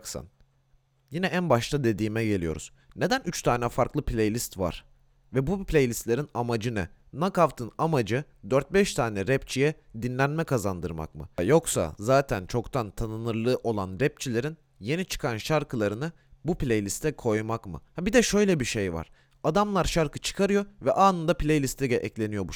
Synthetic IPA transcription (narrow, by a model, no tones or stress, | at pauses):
ksɯ̰n | jinɛænbaʃt̪ʰad̪e̞d̪iːmɛɟe̞lʲijo̞ɾṵz̥ | ne̞d̪ænyt͡ʃt̪ʰaːnɛfaɾklˠɯpʰlʲejlʲist̪va̰ɾ̥ | vɛbuplʲejlʲist̪lʲe̞ɾinamad͡ʒɯnɯ | nakaft̪ʰɯnamad͡ʒɯd̪øɾt̪̚bɛʃt̪ʰaːnɛɾɛpt͡ʃʰijɛd̪inlʲænmɛkʰazand̪ɯɾma̰kmɯ̰jo̞ksa̰zaːt̪ʰænt͡ʃʰo̞kt̪ʰant̪ʰanɯnɯɾlˠɯːʔo̞lˠanɾɛp̚t͡ʃʰilʲe̞ɾin | je̞nit͡ʃʰɯ̥kʰanʃaɾkʰɯlˠaɾɯnɯ | buplʲejlʲist̪ʰɛkʰo̞jmakmɯ̰habid̪ɛʃø̞jlʲɛbiʃejva̰ɾ̥ | ad̪amlˠaɾʃaɾkʰɯt͡ʃʰɯ̥kʰaɾɯjo̞vɛʔaːnɯnd̪aplʲejlʲist̪lʲɛɟʲɛʔɛclʲe̞nijo̞bu